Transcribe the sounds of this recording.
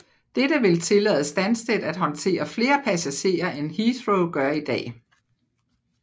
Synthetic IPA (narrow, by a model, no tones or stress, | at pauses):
d̥ed̥əʋe̝lt͡sʰe̝lɛ̰ːð̩ˠsd̥ænsd̥ed̥æd̥ɦɒ̽nt͡sʰe̝̰ːɐfle̝ːɐpʰæsæɕe̝̰ːɐʔenhid̥ʁoʊɡ̥ɶɐid̥ɛ̰ː